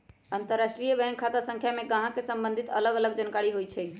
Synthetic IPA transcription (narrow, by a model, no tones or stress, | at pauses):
ənt̪əɾːasʈɾijəbɛ̃ŋkʰat̪asə̃ŋkʰjameɡãɦãkesəmbənd̪ʱit̪ələɡələɡd͡ʒənkaɾiɦojt͡ʃʰɛ